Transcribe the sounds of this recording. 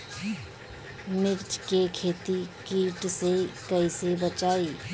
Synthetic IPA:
mɪɾt͡ʃkekʰeːt̪ikiːʈsekəisebət͡ʃaːi

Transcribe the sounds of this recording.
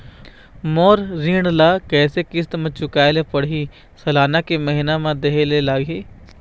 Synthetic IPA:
moːɾɾiːɽlaːkɛːsekɪst̪mə̃t͡ʃʊkaːelepəɽi | sɐlaːnakeməɦɪnamãd̪eɦelelaːɡɦeː

